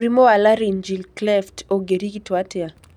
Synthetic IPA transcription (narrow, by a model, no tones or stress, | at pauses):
ɾimoalaɾind͡ʒilklɛftʰoɡeɾikitwatɛa